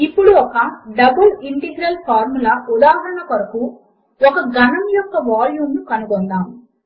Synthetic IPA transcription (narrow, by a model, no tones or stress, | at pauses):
ipːuɽuɔkɐɖɐbɐliɳʈiɡɾɐlpʰaːɾmulɐud̪aːɦɐɾɐɳɐkɐɾɐku | ɔkɐɡɐnɐmjɔkːɐʋaːljuːmnukɐnuɡɔnd̪aːm